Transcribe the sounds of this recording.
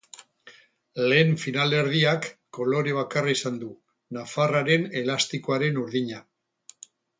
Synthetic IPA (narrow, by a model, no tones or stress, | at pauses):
le̞ːɱfinale̞ɾðiakː | o̞lo̞ɾeβ̞akaraisand̪u | nafaraɾe̞ne̞last̪ikoaɾe̞nuɾðiɲa